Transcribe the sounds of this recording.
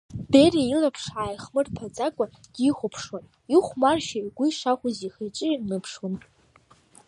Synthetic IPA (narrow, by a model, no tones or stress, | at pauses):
b̥eriilapʰʂaːjaχmɨrpʰat͡sʼakʷʼad̥iχʷʊpʰʂwon | iχʷmarʃaɡʷʊiʂaχʷʊziχejt͡ʃʼɨnɨpʰʂwan